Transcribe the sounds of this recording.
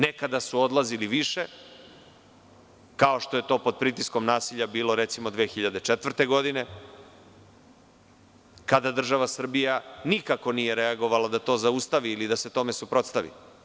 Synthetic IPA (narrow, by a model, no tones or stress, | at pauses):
nekad̪asuo̞d̪lˠaziliʋiʃe̞ | kao̞ʃt̪o̞je̞t̪o̞ːpod̪̚pɾit̪isko̞mnaːsiʎabiːlˠo̞ɾe̞t̪simo̞d̪ʋexiʎad̪e̞t͡ʃet̪vr̩t̪e̞ɡo̞d̪ine̞ | kad̪ad̪r̩ʒaʋasr̩bijanikako̞nije̞ɾe̞aɡo̞ʋalad̪at̪o̞ːzaust̪aʋiːlid̪aset̪o̞me̞supɾo̞t̪st̪aʋḭ